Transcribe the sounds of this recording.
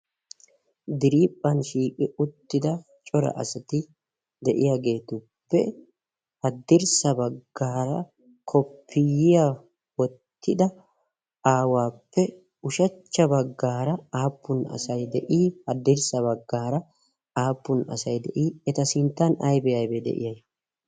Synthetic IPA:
d̪ɪɾiːpʼːɐnʃiːkʼɪʔʊt̪ːɪd̪ɐ | t͡ʃʼɔɾɐ̰ʔɐ̰sɐt̪ɪ | d̪ɛʔɪjaːɡe̞ːt̪ʊpːɛ̰ | hɐd̪ːɪɾsɐbɐɡːaːɾɐ̰ | kʰɔpʰːɪjɪja | wɔt̪ʰːɪd̪ɐ | ʔaːwaːpːɛ | ʊʃɐt͡ʃːɐbɐɡːaːɾɐaːpːʊnɐ̰sɐjd̪ɛʔiːhɐd̪ːɪɾsɐβɐɡːaːɾɐ | aːpːʊnɐ̰sɐjd̪ɛʔiːɛt̪ɐsɪnt̪ːɐnɐjbɛjɐjbɛd̪ɛ̰ʔɪ̰jɐj

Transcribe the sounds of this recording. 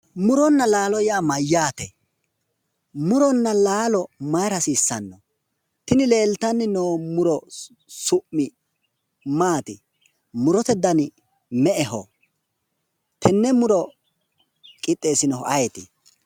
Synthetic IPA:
mʊɾɔnːɐlaːlɔjaːmɐjːaːt̪ɛ | mʊɾɔnːɐlaːlɔmɐjɾɐsiːsːɐnːɔ | t̪ɪnɪleːlt̪ɐnːɪnoːmʊɾɔ | sʊʔːɪ | maːt̪ɪ̰ | mʊɾɔt̪ɛd̪ɐn | mɛʔɛɦɔ̰ | t̪ʰɛnːɛmʊɾɔ | kʼɪt̪ʼːeːsɪnɔhɔʔɐjɛt̪ɪ̰

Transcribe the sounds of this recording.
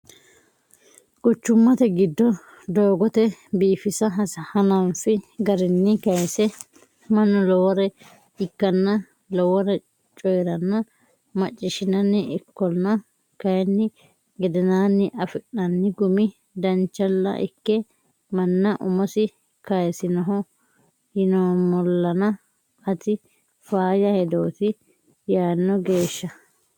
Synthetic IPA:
kʊt͡ʃːʊmːɐt̪ɛɡɪd̪ːɔ | d̪o̞ːɡɔt̪ɛbiːfɪsɐɦɐshɐnɐnfɪɡɐɾɪnːɪkɐjsɛ | mɐnːɔlɔwɔɾɛ | ɪkːɐnːɐ | lɔwɔɾɛ | t͡ʃʼɔjɾɐnːɐ | mɐt͡ʃʼːɪʃɪnɐnːɪʔɪkːɔnːɐ | kɐjɛnːɪ | ɡɛd̪ɛnaːnːɪʔɐfɪɗnɐnːɪɡʊmɪ | d̪ɐnt͡ʃːɐlːɐ̰ʔɪ̰kːɛ | mɐnːɐʔʊmɔsɪ | kɐjsɪnɐɦɔ | hɪnoːmɔlːɐnɐ | ɐt̪ɪ | faːjɐhɛd̪o̞ːt̪ɪ | jaːnːɔɡe̞ːʃːɐ

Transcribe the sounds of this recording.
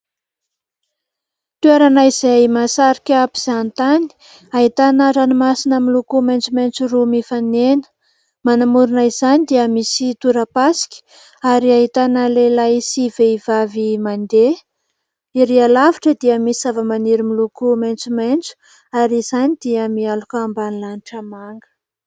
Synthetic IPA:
t̪ueɾanaizajmasaɾikʲapi̥z̥ant̪ani̥ | aɦit̪anaʈ͡ʂanimasinəmilukumajnt͡sumajnt͡surumifanenə̥ | manamuɾinaiz̥anid̪iəmisit̪uɾəpasi̥kʲi̥ | aɾiaɦit̪anəlelaisiveivavimand̪e | iɾialaviʈ͡ʂəd̪iəmisizavəmaniɾimilukumajnt͡sumajnt͡su̥ | aɾizanid̪̥iəmialukaambanilaniʈ͡ʂəmaŋɡə̥

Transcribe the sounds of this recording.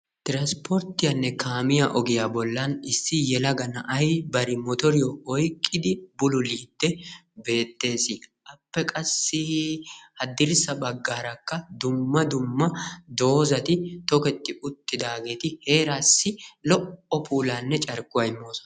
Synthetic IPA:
t̪ɪɾɐnspʰɔɾt̪ːɪjɐnːɛkaːmɪjaʔɔɡɪjaːbɔlːɐnɪsːɪjɛlɐɡɐnɐʔɐjbɐɾɪmɔt̪ɔɾɪjɔɔjkʼːɪd̪ɪbʊlʊliːd̪ːɛbe̞ːt̪ːe̞ːsɪʔɐpːɛkʼɐsːɪ | hɐd̪ɪɾsɐbɐɡːaːɾɐkːɐd̪ʊmːɐd̪ʊmːɐd̪o̞ːzɐt̪ɪt̪ɔkɛt̪ːɪʔʊt̪ːɪd̪aːɡe̞ːt̪ɪhe̞ːɾaːsːɪlɔʔɔpuːlaːnːɛt͡ʃʼɐɾkʼːʊwɐjmːoːsɐ̥

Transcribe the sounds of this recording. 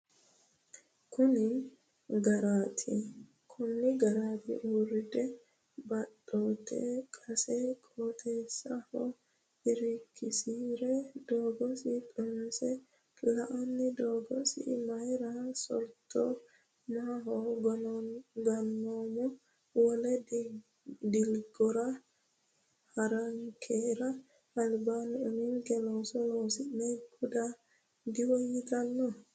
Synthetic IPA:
kʰʊnɪn | ɡɐɾaːt̪ʰɪ̰ | kʰʊnːɪɡɐɾaːt̪ɪ̰ʔuːrːɪd̪ʼɛ | bɐɗoːt̪ḛkʼɐsɛkʼoːt̪ʰʼeːsːɐhɔ | ɪɾɪkʰːɪsiːɾɛd̪oːɡɔsɪt̪ʼʊmsɛ | lɐʔɐnːɪd̪oːɡɔsḭmajɾasɔ̰lt̪ʰɔ | maɦɔɡ | ɡanːɔmɔ | wɔlɛd | dilɡɔɾa | haɾaŋkʰɛɾaː | lbaniɔninɡɛlɔsɔlɔsimɛbuda | diwojit̪anːɔ

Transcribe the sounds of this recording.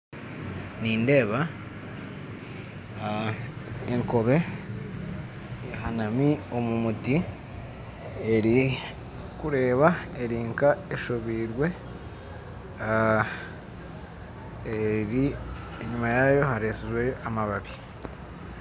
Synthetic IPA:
niːnde̞ːβa | eŋko̞βe̞ | hanamio̞mumuti | eɾi | kuɾe̞ːβaeɾiːŋkaeʃoβiːɾwe̞ | eɾi | eɲumajajo̞haɾeːseʒwejoʔamaβaβi̥

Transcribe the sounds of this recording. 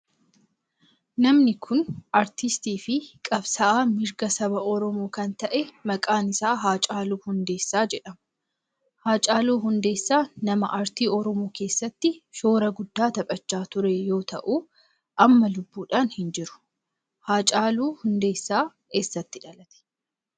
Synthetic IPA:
nɐmnɪkʰʊnɐɾt̪ɪst̪iːfɪkʼɐbsɐʔaːmɪɾɡɐsɐbɐʔɔɾɔmoːkɐnt̪ɐʔɛmɐkʼaːnɪsaːɦaːt͡ʃʼaːluːhʊnd̪e̞ːsːaːd͡ʒɛᶑɐmɐ | haːt͡ʃʼaːluːɦʊnd̪e̞ːsːaːnɐmɐʔɐɾt̪iːɔɾɔmoːke̞ːsːɐt̪ːɪʃo̞ːɾɐɡʊd̪ːaːt̪ɐpʼɐt͡ʃːaːt̪ʊɾɛjo̞ːt̪ɐʔuː | ʔɐmːɐlʊbːuːᶑaːnhɪnd͡ʒɪɾʊ̥ | haːt͡ʃʼaːluːhʊnd̪e̞ːsːaː | ke̞ːsːɐt̪ːɪᶑɐlɐt̪ɛ̥

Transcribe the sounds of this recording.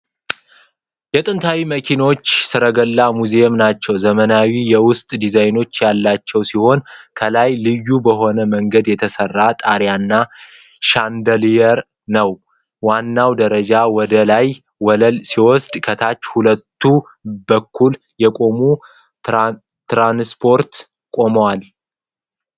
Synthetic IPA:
jɛt̪ʼɨnt̪ʰawiməkʰino̞t͡ʃːsɨɾəɡəlːamuzeɛmnat͡ʃːɛwzəmənawijɛwʊst̪ʼd̪izajno̞t͡ʃːjalːat͡ʃːɛwsiho̞nkʰəlajlɨjːubəɦo̞nəməŋɡəd̪jɛt̪ʰəsərːat̪ʼaɾjanːa | ʃand̪əlijɛɾ | nəw | wanːawd̪əɾəd͡ʒawɔd̪əlaj | wsiwɔsd̪kʰət̪ʰat͡ʃːhulət̪ʰːu | bəkʰːul | jɛkʼo̞mu | t̪ɾanspʰo̞ɾt̪ | kʼo̞məwal

